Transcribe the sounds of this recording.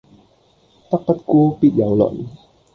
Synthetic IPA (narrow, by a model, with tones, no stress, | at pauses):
t̪a˦˥k̚pa˦˥t̪̚ku˥˦pi˨˩t̪̚ja˨˦wlɔ̰˨n